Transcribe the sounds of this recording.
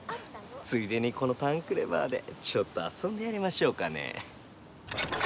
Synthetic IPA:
t͡sɨid̪e̞ɲ̟iko̞no̞t̪ãŋkɯ̟ɾe̞ba̰ːd̪e̞̰t͡ɕo̞t̪ːo̞a̰sõ̞nd̪e̞jaɾʲimaɕo̞ːkane̞̰

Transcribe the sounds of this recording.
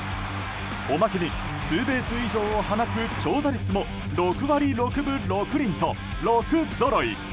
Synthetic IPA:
omakemʲi | sɨːbe̞ːsɨiʑo̞ːohanakɯt͡ɕo̞ːd̪aɾʲit͡sɨmo̞ | ɾo̞kɯ̟βaɾʲiɾo̞kɯ̟bɯ̟ɾo̞kɯ̟ɾʲĩnt̪o̞ | ɾokɯ̟zo̞ɾo̞ḭ

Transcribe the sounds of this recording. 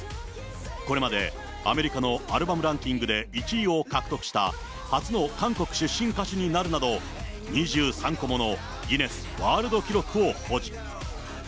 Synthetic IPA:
ko̞ɾe̞mad̪e̞̰ | a̰me̞ɾʲikano̞aɾɯ̟bamɯ̟ɾãŋkʲĩŋɡɯ̟d̪e̞it͡ɕiio̞kakɯ̟t̪o̞kɯ̥ɕi̥t̪a̰ | hat͡sɨno̞kãŋko̞kɯ̟̥ɕɨɕːĩŋkaɕiɲ̟inaɾɯ̟nad̪o̞ | ɲ̟iʑɨːsãŋko̞mo̞no̞ | ɡʲine̞sɨ̥βaːɾɯ̟d̪o̞kʲiɾo̞kɯ̟o̞ho̞ʑi

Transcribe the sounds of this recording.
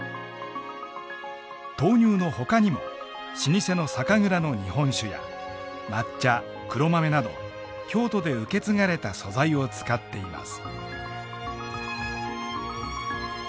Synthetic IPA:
t̪o̞ːɲ̟ʲɨːno̞ho̞kaɲ̟imo̞̰ | ɕiɲ̟ise̞no̞sakaŋɯ̟ɾano̞ɲ̟ihõ̞ɰ̃ɕɨja̰ | mat͡ɕːa | kɯ̟ɾo̞mame̞nad̪o̞̰ | kʲo̞ːt̪o̞d̪e̞ɯ̟ke̞t͡sɨŋaɾe̞t̪aso̞zaio̞t͡sɨ̥kat̪ːe̞ima̰sɨ̥

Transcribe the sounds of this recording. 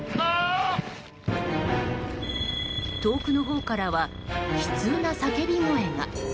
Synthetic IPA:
t̪o̞ːkɯ̟no̞ɦo̞ːkaɾaβa | çɯ̥t͡sɨːnasake̞bʲiŋoẽ̞ŋɡa̰

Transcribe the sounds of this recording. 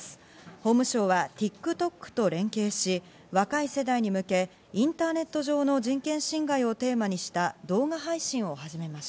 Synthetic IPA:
s | ho̞ːmɯ̟ɕo̞ːβat̪ʲikːɯ̟t̪o̞kːɯ̟̥t̪o̞ɾẽ̞ŋke̞ːɕi | βakaise̞d̪aiɲ̟imɯ̟ke̞ | ĩnt̪aːne̞t̪ːo̞ʑo̞ːno̞d͡ʑĩŋkẽ̞ɰ̃ɕĩŋɡaio̞t̪e̞ːmaɲ̟iɕi̥t̪ad̪o̞ːɡaɦaiɕĩɰ̃o̞haʑime̞maɕi̥t̪a

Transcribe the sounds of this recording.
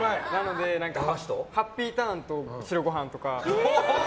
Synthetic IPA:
anano̞d̪e̞nãŋkaɕt̪ohapʲːiːt̪ãnt̪o̞sɨɾoɡo̞ɦãnt̪o̞ka

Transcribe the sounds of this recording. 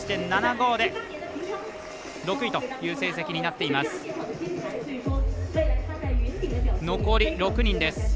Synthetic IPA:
i̥t̪e̞nnːanaɡo̞ːd̪e̞ | ɾo̞kɯ̟it̪o̞jɯ̟ːse̞ːs̬ekʲiɲ̟inat̪ːe̞imasɨ̥ | no̞ko̞ɾʲiɾo̞kɯ̟ɲ̟ĩnd̪e̞sɨ̥

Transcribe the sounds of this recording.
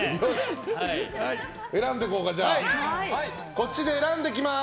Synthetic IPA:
joɕ | e̞ɾãnd̪e̞ko̞ːkad͡ʑa | ko̞t͡ɕːid̪e̞ːɾãnd̪e̞k̬ʲima

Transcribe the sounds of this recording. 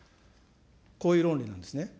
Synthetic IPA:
koːjɯ̟ːɾõnɾʲinãnd̪e̞sɨne

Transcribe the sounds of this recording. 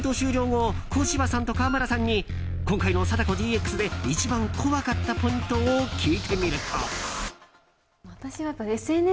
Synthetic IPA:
t̪o̞ːɕɨːɾʲo̞ːŋokʰo̞ːɕibasãnt̪o̞kaːmaɾasãɲ̟ːi | kõ̞ŋkaino̞sat̪ako̞d̪ʲiːe̞kːɯ̥sɨd̪e̞it͡ɕibãŋkʰo̞βakat̪ːapo̞ĩnt̪o̞ːkʲʰiːt̪ʰe̞mʲiɾɯ̟t̪ʰo̰ | βat̪aɕiβapːaesene

